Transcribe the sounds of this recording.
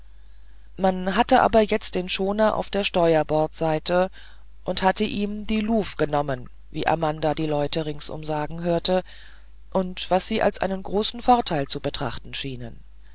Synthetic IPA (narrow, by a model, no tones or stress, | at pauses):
manɦatəʔa̰ːbɐjɛt͡st̚d̥eːnʃoːnɐʔa̰ʊfd̥eːɐʃtɔʏɐbɔɐtz̥aɪtʰə | ʔʊnthatəʔiːmdiːluːfɡ̥ənɔmən | vḭːʔa̰mandadiːlɔʏtəʁɪŋsʔʊ̰mzaːɡŋ̩ɦøːɐtə | ʔʊntv̥asz̥iːʔa̰lsʔa̰ɪnənɡʁoːsn̩fɔɐtʰaɪlt͡subətʁ̥a̰χtn̩ʃiːnən